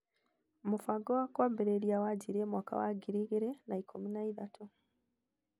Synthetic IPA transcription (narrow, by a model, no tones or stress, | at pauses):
mufaɡoakwaːmbeɾeɾjawaɟiɾemwaːka̰wa̰ɡiɾiɡiɾenaikʰuminaiðatʰu